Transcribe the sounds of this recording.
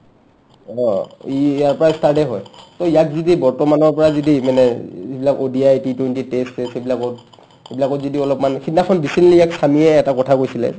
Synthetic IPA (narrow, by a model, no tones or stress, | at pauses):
ɔ̃ | jaɹpɔɹastaɹdɛɦɔjtoijak̚zidibɔɹtɔmanɔɹpɔɹazidimanɛibilakodiajtitwentitestesebilakɔt | ebilakɔzidiɔlɔpmankʰitnakʰɔndisɛnliijaksamiɛːtakɔtʰakojsilɛ̰